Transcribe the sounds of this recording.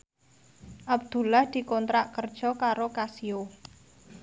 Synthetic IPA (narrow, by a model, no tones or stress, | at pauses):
ʔab̚d̪̥ṳlahd̪̥i̤kɔnt̪ɾaʔkərd̥ʒ̥ɔ̤kaɾokasio